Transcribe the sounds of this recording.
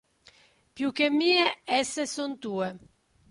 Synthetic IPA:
pjuk̟ːemːiːeɛsːesont̪uːe

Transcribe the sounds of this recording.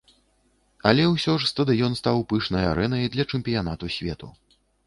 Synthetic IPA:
ɐlʲɛwsʲɔʐst̪ɐd̪ɨjɔnst̪awpɨʂnɐja̰ɾɛnɐjd̪lʲɐt͡ʂɨmpʲijan̪at̪usʲvʲɛ̰t̪u

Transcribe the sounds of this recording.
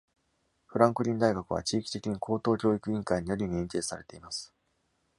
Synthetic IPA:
ɸɯ̟ɾãŋkɯ̟ɾʲĩnd̪aiɡakɯ̟β̞a̰t͡ɕiːkʲi̥t̪e̞kʲiɲ̟ikʰo̞ːt̪o̞ːkʲo̞ːikɯ̟ĩŋkaiɲ̟ijo̞ɾʲiɲ̟iẽnt̪e̞ːsaɾe̞t̪eimasɨ̥

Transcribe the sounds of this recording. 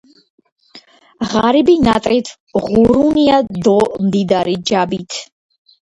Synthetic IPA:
ʁaɾibinat̪ʼɾit̪ʰ | ʁuɾuniad̪ɔmd̪id̪aɾid͡ʒabit̪ʰ

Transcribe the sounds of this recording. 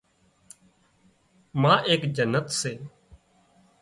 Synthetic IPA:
mãːʔeːkd͡ʒənːət̪seː

